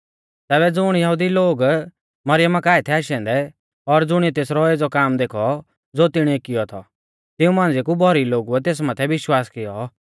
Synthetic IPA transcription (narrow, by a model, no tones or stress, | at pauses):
t̪ɛːbɛd͡zʊɽ̃jɐɦud̪iloːɡ | mɐɾɪjəmakaːit̪ʰɛaːʃɛ̃ːnd̪ɛ | ɔɾd͡zʊɽ̃iɛt̪eːsɾɔeːd͡zɔkaːmd̪eːkʰɔ | d͡zoːt̪ɪɽ̃iɛkɪjɔt̪ʰɔ | t̪ɪũmãːnd͡zekubʱɔɾiloːɡuɛt̪̬eːs̬mɐt̪ʰɛʋɪʃwaːskɪjɔ